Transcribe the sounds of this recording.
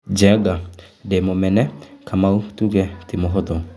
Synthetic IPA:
d͡ʒɛɡademomɛnɛkʰamautuːɣɛtemoɦɔðɔ

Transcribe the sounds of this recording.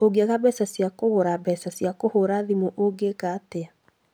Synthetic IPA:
oɡeaɣabɛsasjakoɣoɾabɛsasjakohoɾaðimoʔoɡekatea

